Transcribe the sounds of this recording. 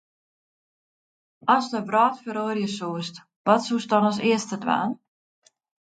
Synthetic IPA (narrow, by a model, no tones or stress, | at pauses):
ɔsdəbrɔːtfəɾoːrjəsuəst | ʋɔtsusdɔnɔs̬ɪəstədʋa̰ːn